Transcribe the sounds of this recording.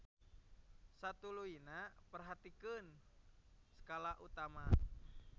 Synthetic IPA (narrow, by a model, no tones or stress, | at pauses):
sat̪uluinapərɦat̪ikɨn | sə̥kalaʔut̪ama